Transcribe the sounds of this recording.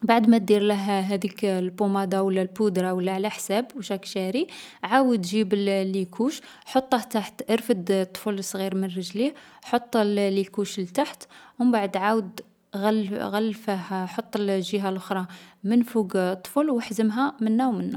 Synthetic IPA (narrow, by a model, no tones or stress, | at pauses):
baʕəd̪mæt̪̚d̪iɾləɦɦæd̪iklbumɑd̪ɑwəlːælbud̪ɾɑwəlːæʕlæħsæbwʃækʃæɾiʕawəd̪ʒibəllːikʰuʃ | ħot̪ˤːəht̪aħt̪ʔəɾfəd̪t̪ˤːfələsˤɣiɾmənrəʒlihħot̪ˤːllikuʃlt̪aħt̪wmbaʕəd̪ʕawəd̪ | ɣælɣælːfæhħot̪ˤːəlʒəɦælʔoxɾˤɑmənfuɡt̪ˤːfəlwəħzəmɦæmənːæwmənːæ